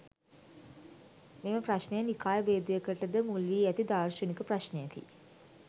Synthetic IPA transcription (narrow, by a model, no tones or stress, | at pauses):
meməpɾaʃnejənikaːjəbeːd̪ijəkəʈəd̪əmulʋiːæt̪id̪aːrʃənikəpɾaʃnejakḭ